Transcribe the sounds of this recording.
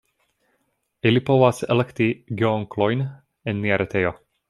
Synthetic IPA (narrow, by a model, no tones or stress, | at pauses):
ilipo̞vasḛlektiɡeoŋklo̞jn | enːiaɾʔetejo̞